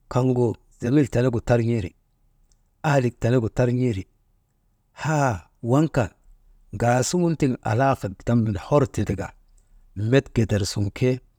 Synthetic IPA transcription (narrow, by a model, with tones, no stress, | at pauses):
ka˦ŋɡo˨ | za˨mi˦lta˨ne˦ɡu˨ta˦ɾɲi˦ɾḭ˨ | a˦li˨k̚ta˨ne˦ɡu˨ta˦ɾɲi˦ɾi˨ | ha˦ | wa˦ŋka˨n | ɡa˨su˦ŋu˦nti˦˨ŋa̰˨la˦fa˨da˦mːi˨nho˦ɾti˨ti˨ɡa̰˨ | me˦tɡe˨te˨ɾsu˨ŋkʰe˦